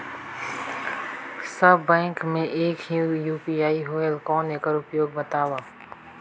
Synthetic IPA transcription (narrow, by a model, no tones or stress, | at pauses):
səbɛ̃ːŋkmẽʔeːkiũjuːpiːaːiɦoːelkɔːneːkəɾʊpjoːɡ̚bət̪aːʋaː